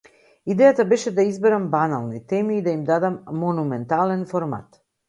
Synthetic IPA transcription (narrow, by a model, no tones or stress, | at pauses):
id̪ɛjat̪abɛʃɛd̪aizbɛɾambanalˠnit̪ɛmiːd̪aimd̪ad̪amːonumɛnt̪alɛnfoɾma̰t̪